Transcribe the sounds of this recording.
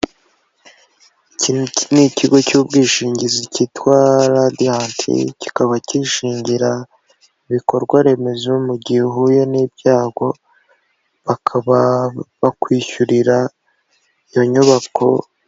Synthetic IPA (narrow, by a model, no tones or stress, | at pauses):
inniciɡo̞cuːbɡiːʃiːɲɟizicitwaːɾadiantʰḭci̥kaβaciʃiːɲɟiɾa | iβiko̞ɾɡwaɾe̞me̞zomuɟiheɦujo̞niːb̚ɟaːɡo̞ | βakʰaβaβakwiːçuɾiɾa | ijo̞ɲuβako̞̰